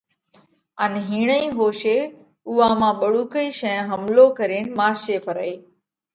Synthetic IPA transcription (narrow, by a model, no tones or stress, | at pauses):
ənɦiːɳəĩːɦoːʃeː | ʊːãːmãːɓəɽuːkəiːʃɛ̃ːɦəmloːkəɾeːnmaːɾʃeːpəɾəiː